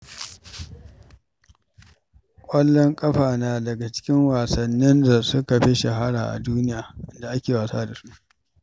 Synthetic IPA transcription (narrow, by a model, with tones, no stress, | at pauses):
kʷʼɐ˦lːɔ˦ŋkʼɐ˦ɸaː˨naː˨dɐ˨ɡa˨t͡ʃɪ̥˦kʲɪ˦ŋwaː˨sɐ˨nːɪ˦nda˨sʊ˦ka˨ɸe˦ʃa˨ɦa˦ɽaː˨ʔa̰˨duː˦nɪ˦jaː˨ʔɪ˦nda˨ʔa˦kʲeː˨waː˨saː˦da˨su˦ʔ